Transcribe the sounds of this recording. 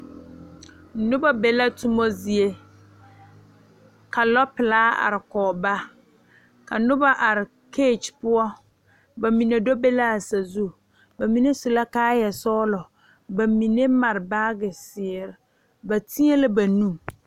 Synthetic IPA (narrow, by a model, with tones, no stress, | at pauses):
nʊ˦ba˦be˨la˦tʊ˦mo˦zi˨e˦ | ka˨lɔ˦pɪ˨laː˦a̰˨ɾɪ˨kɔ˨ba˦ | ka˨nʊ˦ba˦ʔa˨ɾɪ˨ | kʰe˦˨t͡ʃpʊ˦ɔ˦ | ba˨mi˨ne˨do˦be˦la˦a˨sa˨zu˦ | ba˨mi˨ne˦sʊ˨la˦kaː˦jɛ˨sɔː˦lɔ˨ | ba˨mi˨ne˦ma˨ɾɪ˨baː˦ɡɪ˨sɪ˨ɛ˨ɾɪ˨ | ba˨ti˦e˦lɪ˦ba˨nũ˦˨